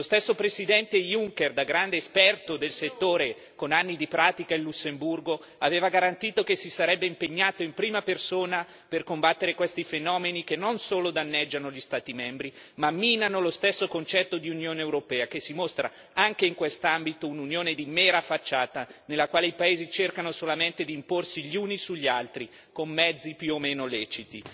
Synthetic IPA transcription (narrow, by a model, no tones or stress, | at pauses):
lost̪esːopɾesid̪ɛnt̪ejuŋkerd̪aɡɾand̪eːspɛrt̪od̪elset̪ːoːɾe | konanːid̪ipɾaːt̪ikailːusːemburɡo | aveːvaɡaɾant̪iːt̪okesːisaɾɛbːeimpeɲːaːt̪oimpɾiːmapersoːna | perkombat̪ːeɾekwest̪ifenɔːmenikenːonsoːlod̪anːɛd͡ʒːanoʎist̪aːt̪imɛmbɾi | mamːiːnanolost̪esːokont͡ʃɛt̪ːod̪iunjoːnewɾopɛːakesːimost̪ɾʔa̰ | aŋk̟eiŋkwest̪ambit̪oununjoːned̪imɛːɾafat͡ʃːaːt̪anelːakwaːleipaeːzit͡ʃerkanosolament̪ed̪iːmporsiʎːiuːnisuʎːialt̪ɾi | komːɛd̪zːipjuomeːnolɛːt͡ʃit̪i